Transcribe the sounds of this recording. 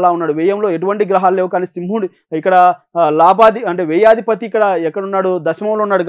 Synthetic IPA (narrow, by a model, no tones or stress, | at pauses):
laːunːaːɽuʋɛːjɐmlo̞ːe̞ʈuʋɐɳʈiɡɾɐɦaːlleːʋukaːniːsimɦuːɽi | ikːɐɽɐ | laːbaːd̪iɐɳʈeːʋɛːjaːd̪ipɐt̪iːkːɐɽɐɛkːɐɽunːaːɽud̪ɐʃɐmɐmloːunːaːɽuɡ